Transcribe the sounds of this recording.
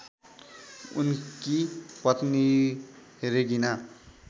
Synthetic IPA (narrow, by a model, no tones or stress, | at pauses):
ṵnkipʌt̪ni | ɦeɾeɡina